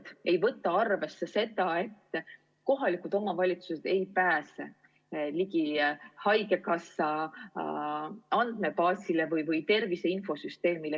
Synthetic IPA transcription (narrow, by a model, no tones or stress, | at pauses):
d̪̥e̞jvɤ̞t̪ːˑɑɑrve̞sːe̞se̞t̪ɑe̞t̪ːˑ | ko̞ɦɑlikud̪̥o̞mɑvɑlʲit̪suse̞d̪̥e̞jpæːse̞̰ | likihɑjɡe̞kɑsɑ | ɑnd̪̥me̞pɑːsile̞vɤjvɤjt̪e̞rvise̞info̞syst̪e̞ːmile